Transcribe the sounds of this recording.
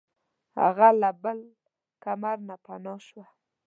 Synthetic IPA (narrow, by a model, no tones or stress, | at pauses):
ha̰ɣalabəl | kamaɾnapanoʃwa